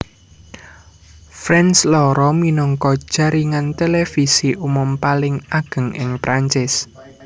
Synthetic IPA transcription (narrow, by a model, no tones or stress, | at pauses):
fɾɛnslɔɾɔminɔŋkɔd̥ʒ̥a̤ɾiŋant̪elefisiʔumʊmpalɪŋaɡ̥ə̤ŋɪŋpɾʔaɲt͡ʃɪs